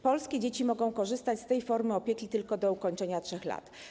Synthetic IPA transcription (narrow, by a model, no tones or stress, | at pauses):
pɔlskʲed͡ʑet͡ɕimɔɡɔ̃w̃kɔʐɘst̪at͡ɕʲst̪ɛjfɔɾmɘɔpʲjekʲit̪ɘlkɔd̪ɔukɔɲt͡ʂɛɲatʂɛxla̰t̪